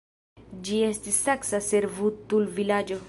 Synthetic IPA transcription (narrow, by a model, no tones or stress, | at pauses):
d͡ʒiestisːaksaseɾvut̪ulvilad͡ʒo